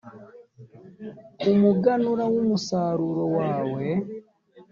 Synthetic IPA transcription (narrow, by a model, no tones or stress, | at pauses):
umuɡanuɾawumusaːɾuɾowaːwe